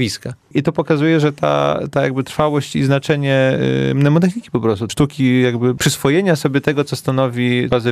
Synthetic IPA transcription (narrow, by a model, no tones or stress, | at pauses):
iska | it̪ɔpɔkazujɛʐɛt̪a̰t̪ajaɡbɘt̪ɾfawɔɕt͡ɕiznat͡ʂɛɲɛmnɛmɔt̪ɛxɲʲikʲi̥pɔpɾɔst̪uʂt̪ukʲijaɡbɘpʂɘsfɔjeɲasɔbʲjɛt̪ɛɡɔt̪sɔst̪anɔvʲibazɨ